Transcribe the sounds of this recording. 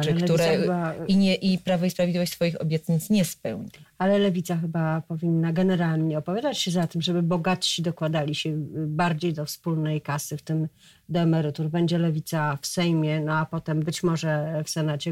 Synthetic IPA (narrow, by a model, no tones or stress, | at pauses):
lɛklɛt̪uɾɛaxbaiɲɛʔipɾavɔispɾavʲd̪lʲivɔɕt͡ɕʲsfɔjixɔbʲjɛt̪ɲit̪sɲɛspɛwɲialɛlɛvʲit̪saxɘbapɔvʲinːaɡɛnɛɾalɲɛɔpɔvʲjad̪at͡ɕɕɛzat̪ɘmʐɛbɘbɔɡat̪ɕid̪ɔkwad̪alʲiɕɛbaɾd͡ʑejd̪ɔfspulnɛjkasɘft̪ɘm | d̪ɛɛmɛɾɘt̪uɾbɛɲd͡ʑɛlɛvʲit̪safsɛjmʲjɛnɔapɔt̪ɛmbɘt͡ɕmɔʐɛfsɛnat͡ɕɛ